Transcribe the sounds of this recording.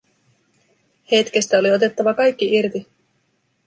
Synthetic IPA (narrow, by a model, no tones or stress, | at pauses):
he̞t̪k̟e̞st̪æo̞lio̞t̪e̞t̪ːɑʋɑkɑjk̟ːiirt̪i